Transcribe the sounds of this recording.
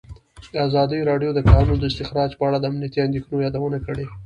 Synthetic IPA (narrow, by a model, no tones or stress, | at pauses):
d̪əazɑd̪əjɾɑɖjod̪əkɑnund̪əɪst̪ɪxɾɑd͡ʒpəaɽad̪əamnijat̪iand̪exnojɑd̪awənakəɽe